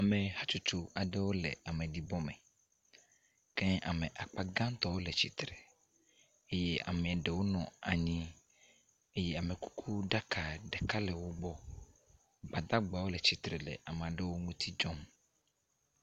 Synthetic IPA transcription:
a˨me˨ha˦t͡ʃu˦t͡ʃu˨a˨ɖe˦wo˦lɛ̰˨a˨mɛ̃˨ɖi˨bɔ˦mɛ̰̃˨ | kɛ̃˦a˨mɛ̃˨ʔa˨k͡pa˨ɡã˦n˦t̪ɔ˦wo˦lɛ˨t͡ɕi˨t̪ɾɛ˨ | e˦jɛ˦ʔa̰˨mẽ˨a˨ɖe˨wo˦nɔ̃˨a˨ɲĩ˦ | e˦jɛ˦a˨mẽ˨ku̥˦kʰu˦ɖa˦kʰa˨ɖɛ˨ka˦lɛ˨wo˦ɡ͡bɔ˦ | ba˨d̪a˦ɡ͡ba˨wo˦lɛ˨t͡ɕi˨t̪ɾɛ˨lɛ̰˨ʔa˨mẽ˨a˨ɖe˦wo˦ŋũ˦t̪ʰi˦d͡ʒɔ˦m

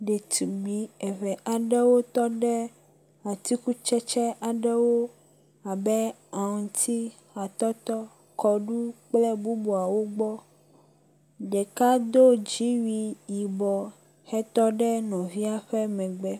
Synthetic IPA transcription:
ɖɛ˨t̪u˨ɡ͡bi˨ɛ˨βɛ˨ʔa˨ɖɛ˦wo˦t̪ɔ˦ɖɛ˦ | a˨t̪i˦ku˦t͡ʃɛ˦t͡ʃɛ˦ʔa˨ɖɛ˦wo˦ | a˨bɛ˦ | a˨ŋ̩˨t̪ʰi˦ | a˨t̪ɔ˦t̪ɔ˦ | kɔ˨ɖu˦k͡plɛ˦bu˦bu˨a˨wo˦ɡ͡bɔ˦ | ɖɛ˨ka˦d̪o˦d͡ʒi˦wi˨ji˨bɔ˨ | hɛ˦t̪ɔ˦ɖɛ˦nɔ̃˨vi˦a˦ɸɛ˦mɛ̃˨ɡ͡bɛ˦

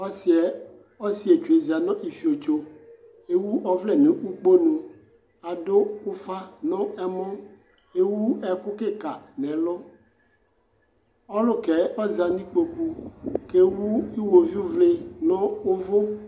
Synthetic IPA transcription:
ɔ˦si˨˦ɛ˨ | ɔ˦si˦e˨t͡ʃu˨e˨zi˨a˨nɔ̃˦ʔi˨fi˨o˨t͡ʃo˦ | e˦wu˦ʔɔ˦vle˦nẽ˨ʔu˦k͡po˦nũ˨ | a˨dʊ˦ʊ˦fa˦nɔ̃˦ɛ˦mʊ̃˦ | e˦wu˦ɛ˨kʊ˦ke˦ka˨nɛ̃˨lʊ˦ | ɔ˦lʊ˦kɛ˨ɔ˦za˨nĩ˦k͡po˨ku˦ke˦wu˦i˦wo˨vi˦u˦vle˦nɔ̃˦ʊ˦vʊ˦

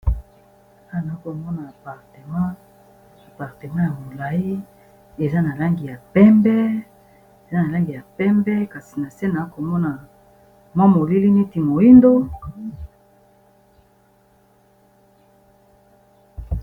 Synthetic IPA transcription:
a˦˨na˨˦ko˨mɔ˦na˨a˨pa˨ʁte˨mã˦ | a˨pa˨ʁte˨mã˦ja˨mo˨la˨i˦ | e˨za˦na˨la˦ŋɡi˨ja˨pɛ˦mbɛ˦ | e˨za˦na˨la˦ŋɡi˨ja˨pɛ˦mbɛ˦ka˨si̥˨na˨sɛ˦na˨˦ko˨mɔ˦na˨ | mwa˦mo˨li˦li˦ni˦ti˨mo˨i˦ndo˦

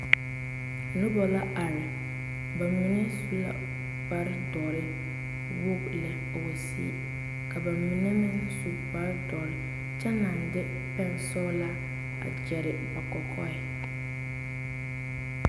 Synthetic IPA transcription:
nʊ˦bɔ˨la˦ʔa˨ɾɪ˨ | ba˨mɪ˨nɛ˦su˦la̰˦ | ba˦ɾɪ˦dɔ˨ɾɪ˦ | wʊ˦blɛ˨ | a˨wɛ˨sḭ˨ | ka˨ba˨mɪ˨nɛ˦mɪ˦su˨ba˦ɾɪ˦dɔ˨ɾɪ˨ | t͡ʃɛ˦na˨ndɪ˦ | pɛ˦ŋ˨sɔː˦la˦ | a̰˨d͡ʒɛ˨ɾɪ˨ba˨kɔ˨kʰɔ˦ɪ˨

